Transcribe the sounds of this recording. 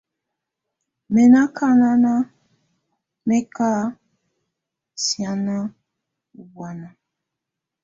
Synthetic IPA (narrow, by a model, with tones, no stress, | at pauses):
me˨na˦ka˦na˦na˦ | me˦ka˦ | sja˨na˦ | u˨bwa˨na˨